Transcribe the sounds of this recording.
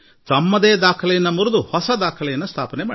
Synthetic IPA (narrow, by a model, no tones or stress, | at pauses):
t̪ɐmːɐd̪eːd̪aːkʰɐlɐjɐnːɐmuɾud̪uhɔsɐd̪aːkʰɐlɐjɐnːɐst̪ʰaːpɐnemaː